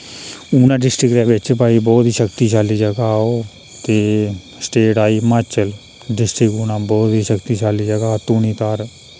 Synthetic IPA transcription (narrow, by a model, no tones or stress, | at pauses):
uːnãːɖɪsʈɾɪkɾɛːʋɪt͡ʃpaːiːbɔːt̪iːʃəkt̪iːt͡ʃaːliːd͡ʒəɡaːoː | t̪eː | sʈeːʈaːiːmat͡ʃəl | ɖɪsʈɾɪkuːnãːbɔːt̪ɦiːʃəkt̪iːt͡ʃaːliːd͡ʒəɡaːt̪uːniːt̪aɾ